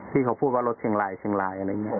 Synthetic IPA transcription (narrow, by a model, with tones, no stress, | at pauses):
t̪ʰiː˧˩kʰa˧˩wpʰuː˥˩t̚waː˧lo˧˥t̪̚t͡ɕʰe˧˩˦ŋlaː˨˦jsʰe˧˦ŋlaː˨˦jʔa˧˨ɾa˧˩˨ŋ˧˨